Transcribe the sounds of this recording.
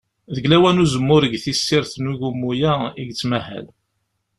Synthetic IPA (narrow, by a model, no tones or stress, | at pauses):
ðəɡlæwænuzəmːʊɾəɡθisːɪɾθnuʝumːujæiɡt͡sːmæhæ̰l